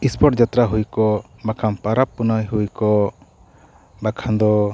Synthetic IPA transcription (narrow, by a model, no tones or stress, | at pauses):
ispʰɔʈd͡ʒat̪ɾaɦujkɔbakʰampaɾapːunajɦujkɔ | bakʰand̪ɔ